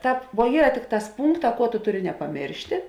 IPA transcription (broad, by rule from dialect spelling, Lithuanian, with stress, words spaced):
ˈtɑːp ʋuɔ ˈiːrɐ ˈtʲɪkˌtɑːs ˈpuːŋkˌtɑː ˈkuɔ tʊ ˈtʊˌrʲɪ nʲɛpɐˈmʲeːrʲʃʲtʲeː